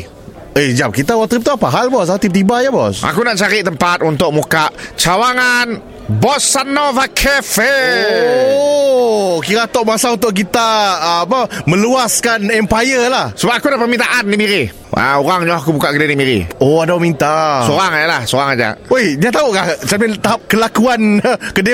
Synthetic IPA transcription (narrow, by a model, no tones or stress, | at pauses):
əd͡ʒam̚kit̪awat̪ɾip̚t̪apaɦalbɔs̬aut̪ib̚t̪ibajabɔsa̰kunaʔt͡ʃaɾiʔt̪əmpat̪̚unt̪ʊk̚mukaʔt͡ʃawaŋan | bɔsːanɔvakʰɛfeo | kiɾat̪oʔmasaunt̪ʊʔk̬it̪aːpəmə̃luaskanɛmpajəlahsəbap̚akudahpərmint̪aʔandimiɾi | ʔa̰oɾaŋɲɔahkubukaʔkədidimiɾḭoadamint̪asoɾaŋajalahsoɾaŋad͡ʒa̰ʔojnat̪auʔkaht͡ʃamɪnt̪aɦap̚kəlakuankəde